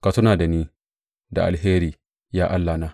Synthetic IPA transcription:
ka˨sʊ˦naː˨da˨niː˦ | da̰˨ʔa̰˨lɦeː˦ɾiː˨ | jaː˦ʔa˦lːa˨naː˦

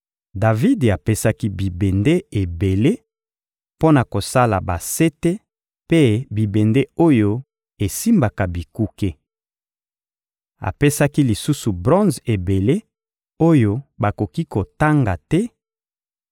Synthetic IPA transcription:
da˨vi˦da˨pe˦sa˦ki˦bi˨be˨nde˦e˨be˨le˦ | po˦na˨ko˨sa˦la˨ba˨se˦te˦ | pe˦bi˨be˨nde˦o˦jo˦ | e˨si˦mba˨ka˨bi˨ku˦ke˦ | a̰˨pe˦sa˦ki˦li˨su˦su˨bʁɔ̃˦nze˨be˨le˦ | o˦jo˦ba˨ko˨ki˦ko˨ta˦ŋɡa˨tɛ˦

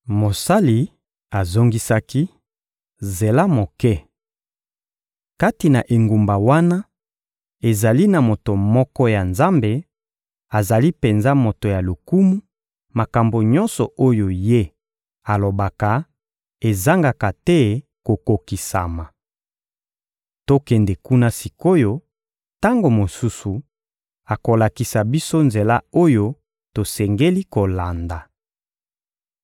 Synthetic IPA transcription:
mo˨sa˦li˨ | a˨zo˦ŋɡi˦sa˦ki˦ | ze˨la˦mo˨kɛ˦ | ka˦ti˨na˨ʔe˨ŋɡu˨mba˨wa˦na˦ | e˨za˨li˦na˨mo˨to˨mɔ˦kɔ˦ja˨nza˦mbe˨ | a˨za˨li˦pe˨nza˦mo˨to˨ja˨lo˨ku˦mu˦ | ma˨ka˨mbo˨ɲɔ˦nsɔ˨o˦jo˨je˦ | a˨lo˨ba˨ka˨ | e˨za˦ŋɡa˨ka˨tɛ˦ | ko˨ko˨ki˨sa̰˨ma˨ | to˦kɛ˨nde˨ku˦na˦si˨ko˦jo˦ | ta˦ŋɡo˨mo˨su˦su˨ | a˨ko˨la˨ki˨sa˨bi˦so˦nze˨la˦o˦jo˦ | to˨sɛ˨ŋɡe˦li˦ko˨la˨nda˨

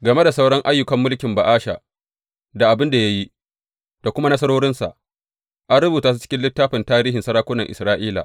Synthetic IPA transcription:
ɡɐ˨me˦da˨sa˦wɽɐ˦ŋʔa˦jːʊ˦kɐ˨mːʊ˦lkʲɪ˨mba˨ʔaː˦ʃa̰˨ | da˨ʔa˨bɪ˦nda˨ja˦ji˦ | d̥a˨kʷʊ˦ma˦nɐ˦sɐ˦ɽoː˦ɽɪ˦nsa̰˨ʔ | ʔa˦nɽʊ˦buː˨taː˦su˦t͡ʃɪ̥˦kʲɪ˦nlɪ˦tːaː˦ɸɪ˨ntaː˦ɾiː˦ɦɪ˨nsɐ˦ɾaː˦kʷʊ˦nɐ˨ŋʔɪ̰˨sɾaː˦ʔiː˦la̰˨

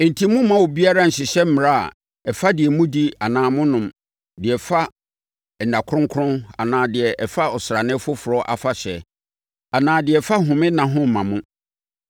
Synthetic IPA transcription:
n̩˨tʰi˦mũ˦mã˦wɔ˨bi˦a˦ɾa˦n̩˨ɕɪ˨ɕɛ˦m̩˦m˨ɾa˦a̰˨ | ɛ˨fa˦dɪ˨ɛ˨mũ˦di˦a˨nãː˨mʊ̃˦nʊ̃˨m | dɪ˨ɛ˨fa˦˨ | n̩˨da˨kʰɾʊ̃˦ŋ˦kʰʊ̃˦na̰˨nãː˨dɪ˨ɛ˨ʔɛ˨fa˦ɔ˨sɾa˨nɪ̃˦fʊ˦fʊ˨ɾɔ˦ʔa̰˨fa˦˨ɕɛ˨ | a˨nãː˨dɪ˨ɛ˨fa˦ɦʊ̃˨mɪ̃˦nã˨ɦʊ̃˦m̩˨mã˨mʊ̃˦

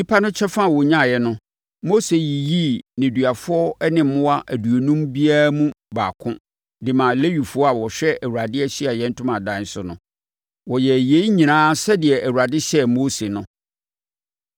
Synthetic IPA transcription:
ɲi˦pʰa˦nʊ̃˦t͡ɕʰɛ˦fã˦˨wɔ˨ɲã˦˨jɛ˦nʊ̃˦ | mo˦se˨ji˨ji˦nɪ̃˨dɥa˨fʊ˦ɔ˦nɪ̃˦m̩˦mʊ̃˦wa˦ʔæ˨du˨o˨nũ˦mbi˦a˦ɾmũ˦baː˨kʰʊ̃˦ | dɪ˨mã˨le˦ɥi˨fʊ˦ɔ˦a˨wɔ˨ɕᶣɛ˦ʔæ˨wu˨ɾa˨dɪ˦ɛ˦ɕɪ˦a˨jɛ̃˦n̩˦tʰʊ̃˦mã˨dã˨˦n̩˦sʊ˨nʊ̃˦ | wɔ˨jɛ˨je˦i˦ɲĩ˨nãː˦sɛ˦dɪ˨ɛ˨ʔæ˨wu˨ɾa˨dɪ˦ɕɛ˦moː˦se˨nʊ̃˨

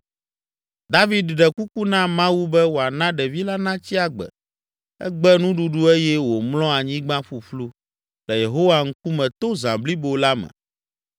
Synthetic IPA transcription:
d̪a˦vi˨˦d̪ɖɛ˨ku˦ku˦nã˦mã˦wu˦bɛ˦wo˨a˨nã˦ɖɛ˨vi˦la˦nã˦t͡ɕi˦a˨ɡ͡bɛ̰˨ | ɛ̰˦ɡ͡bɛ˦nũ˦ɖu˨ɖu˦e˦jɛ˦wo˨mlɔ̃˦a˨ɲĩ˦ɡ͡bã˦ɸu˨ɸlu˦ | lɛ˨je˨ɦo˦wa˦ŋ̩˦ku˦mɛ̃˨t̪o˦zã̰˨bli˦bo˨la˦mɛ̰̃˨

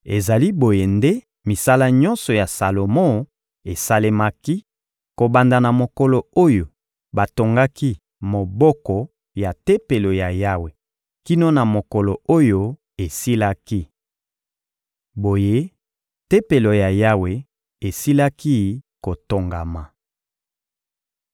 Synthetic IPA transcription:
ḛ˨za˨li˦bo˨je˨nde˦ | mi˨sa˦la˦ɲɔ˦nsɔ˨ja˨sa˨lo˨mõ˦ | e˨sa˦le˦ma˦ki˦ | ko˨ba˨nda˨na˨mo˨kɔ˨lɔ˨o˦jo˨ | ba˨to˨ŋɡa˦ki˦ | mo˨bɔ˦kɔ˨ | ja˨te˦pe˨lo˨ja˨ja˦we˨ | ki˦no˦na˨mo˨kɔ˨lɔ˨o˦jo˦ | e˨si˦la˦ki˦ | bo˨je˦ | te˦pe˨lo˨ja˨ja˦we˨ | e˨si˦la˦ki˦ko˨to˨ŋɡa˨ma˨

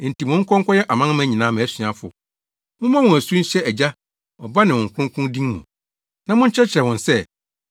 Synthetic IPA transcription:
n̩˨tʰi˨mʊ̃˨˦ŋ̩˦kʰɔ̃˦ŋ̩˦kʰɔ˦jɛ˦ʔa˨mã˦n˦mæ̃˦ɲĩ˨nãː˦mɛ̃˨˦sɥã˨fʊ̰˨ | mʊ̃˦mã˦wɔ̃˨æ˨su˦n̩˦ɕɛ˦æ˨d͡ʑa˦ | ɔ˨ba˦nɪ̃˨wɔ̃˨ŋ̩˨kʰʊ̃˦ŋ˦kʰʊ̃˦dĩ˦ŋmṵ̃˨ | nã˨mʊ̃˦ɲ̩˦t͡ɕʰɛ˦t͡ɕʰɪ˨ɛ˨wɔ̃˨nsɛ˦

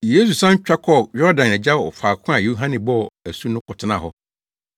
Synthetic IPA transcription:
je˦su˨sã˦ɲ˦t͡ɕᶣa˦kʰɔ˦˨jɔ˦ɾdã˨nɛ˨d͡ʑa˦ɔ̰˨faː˨kʰʊ̃˦a˨jo˦ɦã˦nɪ̃˨bɔ˦˨æ˨su˦nʊ̃˦kʊ˨tʰɪ˦nã̰˨ɦɔ˦

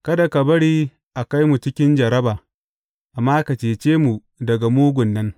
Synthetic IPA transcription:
kɐ˦da˨ka˨bɐ˦ɽiː˦ | ʔa˨ka˦jmu˨t͡ʃɪ˦kʲɪ˦nd͡ʒɐ˨ɾɐ˦baː˨ | ʔa˨mːaː˦ka˨t͡ʃeː˨t͡ʃeː˦mu˨ | dɐ˨ɡa˨muː˦ɡʷʊ˨nːɐ˦n

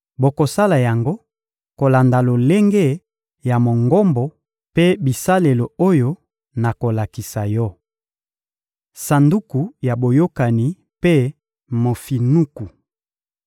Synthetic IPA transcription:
bo˨ko˨sa˦la˨ja˨ŋɡo˦ | ko˨la˨nda˨lo˨le˦ŋɡe˦ | ja˨mo˨ŋɡɔ˦mbɔ˨ | pe˦bi˨sa˦le˨lo˨o˦jo˦ | na˨ko˨la˨ki˨sa˨jɔ˦˨ | sa˨ndu˦ku˨ja˨bo˨jo˦ka˨ni˨ | pe˦ | mo˨fi˨nu˦ku˨

